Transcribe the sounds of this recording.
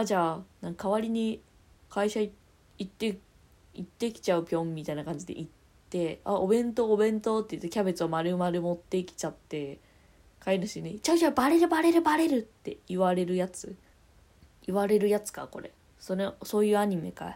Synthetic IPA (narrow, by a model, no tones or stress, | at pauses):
ad͡ʑaːnãŋkʰaβaɾʲiɲ̟i | kʰaiɕa | it̪ːe̞ | it̪ːe̞kʲi̥t͡ɕaɯ̟pʲõ̞mːʲit̪ainakãɲ̟d͡ʑid̪e̞̰ʔit̪ːe̞a̰obẽ̞nt̪o̞ːbẽ̞nt̪o̞t̪ːeiɯ̟t̪ːekʲabe̞t͡sɨomaɾɯ̟maɾɯ̟mo̞t̪ːe̞kʲi̥t͡ɕat̪ːe̞ | kainɯɕineit͡ɕaɯ̟kʲabaɾe̞ɾɯ̟baɾe̞ɾɯbaɾe̞ɾɯ̟t̪ːe̞̰iβaɾe̞ɾɯ̟jat͡sɨ | iβaɾe̞ɾɯ̟jat͡sɨ̥ka̰ko̞ɾe̞̰ | soneso̞ːjɯ̟ːaɲ̟ime̞̰ka̰